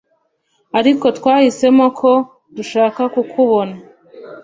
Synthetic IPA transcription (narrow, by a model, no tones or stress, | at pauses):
aɾiko̞tkwaːhise̞mo̞kʰo̞ | duʃaːkakukʰuβo̞na